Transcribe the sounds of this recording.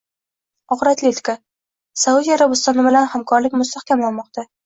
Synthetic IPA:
ɒʁɾat̪lʲet̪ka | saud̪iaɾabɪst̪ɒnɪbɪlanhamkʰɒɾlɪkʲmʊst̪ahkʲamlanmɒqt̪ʰa

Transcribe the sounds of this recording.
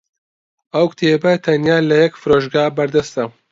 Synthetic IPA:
ɐwkt̪ʰeːbɐt̪ʰɐnjaːlɐjɛkfɨɾoːʒɡaːbɐɾd̪ɐst̪ɐ

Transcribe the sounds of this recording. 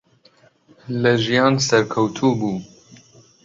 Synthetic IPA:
lɨʒijɑːnsɛɾkʰɐwt̪ʰuːbuː

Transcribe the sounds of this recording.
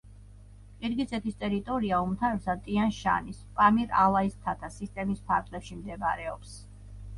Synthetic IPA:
qʼiɾɡit̪sʼɛt̪ʰist̪ʼɛɾit̪ʼɔɾiaumt̪ʰavɛɾsat̪ʼianʃa̰nispʼamiɾalˠaist̪ʰat̪ʰasist̪ʼɛmispʰaɾt̪ʰlɛpʃimd̪ɛba̰ɾɛɔ̰ps

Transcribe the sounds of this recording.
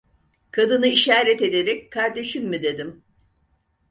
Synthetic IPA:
kʰad̪ɯnɯiʃaːɾɛt̪e̞d̪eɾɛckʰːaɾd̪e̞ʃimmid̪e̞d̪im

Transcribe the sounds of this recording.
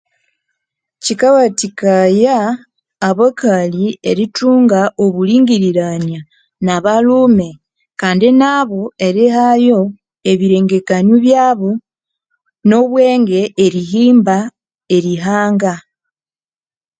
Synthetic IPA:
cikawatikajaː | βakalieɾituːŋɡaʔoβuliːŋɡiɾiɾaɲa | naβaluːme̞ | kaːndinaβo̞e̞ɾeɦajo̞ | e̞βiɾe̞ːŋɡe̞kaɲuβjaːβo | no̞βwe̞ːŋɡe̞ːɾiɦiːmba | e̞ɾiɦaːŋɡa

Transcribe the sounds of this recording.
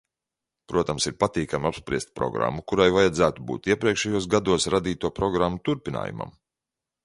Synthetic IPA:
pɾuɔt̪amsiɾpat̪iːkamapspɾʲiɛst̪̚pɾɔ̰ɡɾa̰mːukuɾajvajad̪zæːt̪ubṵːt̪iɛpɾiɛkʃɛjuɔsɡad̪uɔsɾad̪iːt̪uɔpɾɔɡɾamːut̪uɾpʲina̰ːjṵma̰m

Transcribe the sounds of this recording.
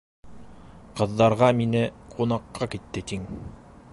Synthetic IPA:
qɤ̆ðːɑɾʁɑminɘqʰunɑqːɑkit̪ːɘt̪iŋ

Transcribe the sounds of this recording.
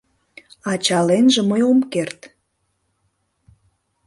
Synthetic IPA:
ɑt͡ɕɑlenʒĕməjomkert̪

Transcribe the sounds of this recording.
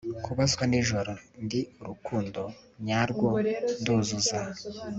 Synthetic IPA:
kʰuβazɡwaniʒoɾondiuɾukuːndo | ɲaɾɡwonduːzuza

